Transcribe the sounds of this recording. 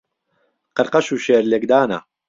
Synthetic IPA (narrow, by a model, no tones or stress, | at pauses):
qəɾqɐʃuːʃeːɾlekd̪aːnɐ̰